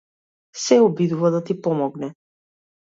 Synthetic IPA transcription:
sɛɔbid̪uvad̪at̪ipɔmɔɡnɛ

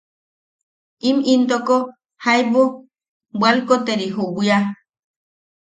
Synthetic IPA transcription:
imint̪oko | hajbu | bʷwalkot̪eɾiɦubja

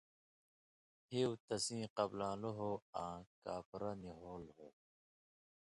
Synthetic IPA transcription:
hewt̪ɐsĩːqɐblãːloɦoːãːkaːpɾɐniɦoːlho

